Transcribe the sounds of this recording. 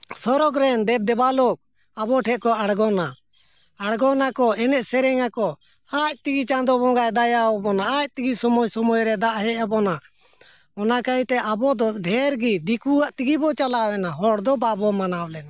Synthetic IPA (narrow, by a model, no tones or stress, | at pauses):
sɔɾɔɡɾɛnd̪ɛp̚d̪ɛbalok̚ | abɔʈʰɛʔ̚kɔaɽɡɔna | aɽɡɔnakɔɛnɛʔsɛɾɛŋakɔ | ac̚t̪iɡit͡ʃãnd̪ɔbɔ̃ŋɡajd̪ajawbɔnaac̚t̪iɡisɔmɔjsɔmɔjɾɛd̪aʔɦɛʔabɔna | ɔnakait̪ɛʔabɔd̪ɔɖʱɛɾɡid̪ikuaʔt̪iɡibɔt͡ʃalawɛnaɦɔɽd̪ɔbabɔmanawlɛna